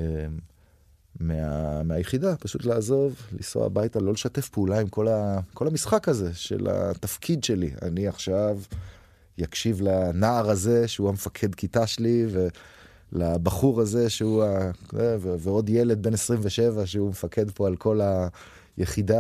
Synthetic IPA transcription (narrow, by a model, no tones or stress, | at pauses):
e | mea̰meajeχidapaʃutlaːzo̞vlḭso̰a̰bajtalo̞leʃate̞fpeulaimko̞lako̞lamisχakaze̞ʃḛla̰t̪afkʰid̪ʃe̞lia̰niaχʃav | jakʃivlanaːʁaze̞ʃeuhamefakʰe̞dkʰitaʃelive | labaχuʁaze̞ʃeuaeveveo̞d̪jele̞d̪̚be̞nesʁimveʃe̞vaʃeumefakʰe̞dpo̞alkʰo̞la | jeχida